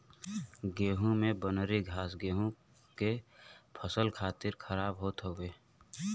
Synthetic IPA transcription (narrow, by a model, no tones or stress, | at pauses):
ɡeːɦũmẽbənɾiɡʱaːsɡeːɦõ | kepʰəsəlkʰaːt̪ɪɾkʰəɾaːbɦoːt̪ɦoːʋeː